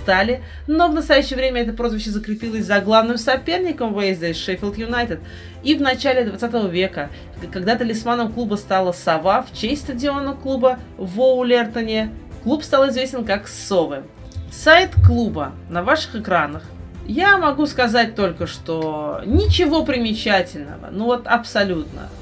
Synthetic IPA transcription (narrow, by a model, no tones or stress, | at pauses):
st̪alʲɪ | no̞vnəst̪ɐjæɕːɪjəvɾʲemʲəɛt̪əpɾo̞zvʲɪɕːəzəkɾʲɪpʲilˠəsʲzɐɡlˠavnɨmsɐpʲe̞rnʲɪkəmvɨjɪzʲd̪ʲəʂɛfʲɪlˠt̪jʊnajt̪ʲɪt̪̚ | ivnɐt͡ɕalʲɪd̪vɐt̪sat̪əvəvʲe̞kə | kaɡd̪at̪əlʲɪsmanəmklˠubəst̪alˠəsɐvaft͡ɕesʲst̪ədʲɪo̞nəklˠubəvoʊlʲert̪ənʲɪklˠupst̪alˠɪzvʲesʲtʲɪnkaksovɨ | sajt̪klˠubə | nɐvaʂɨ̥xɨkɾanəxjamɐɡuskɐzat̚ʲt̪o̞lʲkəʂt̪onʲɪt͡ɕɪvo̞pɾʲɪmʲɪt͡ɕætʲɪlʲnə̰və̰nuvo̞t̪ɐpsɐlʲut̪nə̰